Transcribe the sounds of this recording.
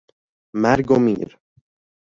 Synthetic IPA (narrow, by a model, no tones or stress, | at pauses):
mæɾɡomḭːɾ